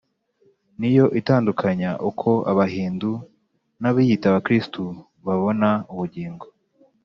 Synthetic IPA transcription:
nijo̞ʔitaːndukʰaɲaʔukʰo̞ʔa̰βaɦiːndu | naβijitaβakɾistu | βaβo̞nauβuɟiːŋɡo

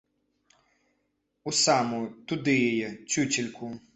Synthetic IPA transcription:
usamʊt̪ʊd̪ɪjɔjɛt͡sʲut͡sʲilʲkʰu

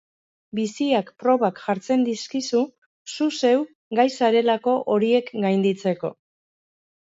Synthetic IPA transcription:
bisiakpɾo̞βakʝaɾt͡se̞nd̪iskisu | suse̞w | ɡajsaɾe̞lako̞ʔo̞ɾie̞kɡajnd̪it͡se̞ko̞̰

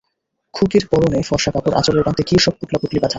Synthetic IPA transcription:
kʰukiɾpɔɾonejfɔɾʃakapoɾʔa̰t͡ɕoɾeɾbant̪ekiʃɔb̚puʈlapuklibat̪ʰa

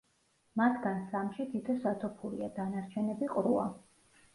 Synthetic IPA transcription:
mat̪ʰɡansamʃit̪ʰit̪ʰɔsat̪ʰɔpʰuɾḭad̪anaɾt͡ʃʰɛnɛbiqʼɾua̰

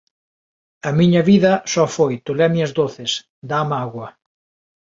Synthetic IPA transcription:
ɐmiɲɐβiðɐsɔfojt̪olɛmiɐzðoθɪs | d̪amaɣwɐ

